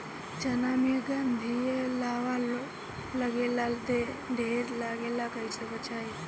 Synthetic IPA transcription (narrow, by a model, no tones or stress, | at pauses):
d͡ʒənaːmiəɡand̪ʱielaːʋa | ləɡelald̪e | ɖʱeːɾlaːɡelakəisʰəbət͡ʃʰaːe